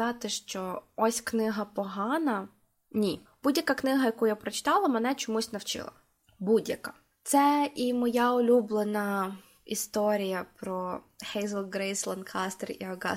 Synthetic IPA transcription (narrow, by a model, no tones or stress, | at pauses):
ɑt̪ɪʃt͡ʃɔɔsʲknɪɦɐpɔɦɑnɐ | nʲib̥udʲjɐkaknɪɦɐjɐkujapɾɔt͡ʃɪ̥t̪ɑlˠɐmɛnɛt͡ʃɔmusʲnɐwt͡ʃɪ̰lˠɐ̰ | budʲjɐka | t̪sɛʔimɔjɑʊlʲublˠenɐ | ḭst̪ɔɾʲijɐpɾɔ | hɛjzɐlˠɡɾɛjslˠɐnkʰɑst̪erḭɐɡɑ̰